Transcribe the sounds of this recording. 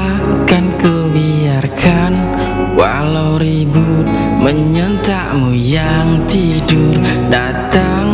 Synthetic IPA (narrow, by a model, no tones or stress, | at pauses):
kankə | bi | arkʰan | wa̰ | lawɾibʊt̪̚ | məɲənt̪aʔmujaŋt̪idʊr | da | t̪a | ŋ